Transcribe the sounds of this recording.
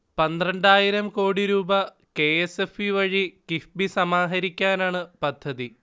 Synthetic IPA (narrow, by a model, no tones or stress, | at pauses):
pɐnd̪rɐɳɖaːjiɾɐmko̞ːɽiɾuːbɐ | ke̞esefiʋɐɻikifbisɐmaːɦɐɾikʲːaːnaːɳɨpɐd̪ʱːɐði